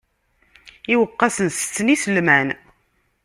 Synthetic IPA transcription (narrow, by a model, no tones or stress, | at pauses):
iwəqːɑsənsət͡sːənisəlmæn